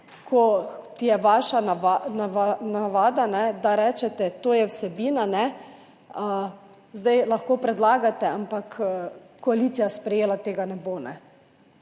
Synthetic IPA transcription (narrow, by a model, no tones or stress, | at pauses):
kʰɔt̪jɛʋaʃaanaanaʋaːd̪anɛd̪aɾɛːt͡ʃɛt̪ɛt̪oːjɛwsɛbiːnanɛ | ə | zd̪ajlaxkoːpɾɛd̪laːɡat̪ɛampakː | ɔaliːt̪sijaspɾɛjeːlat̪eːɡanɛbonɛ̰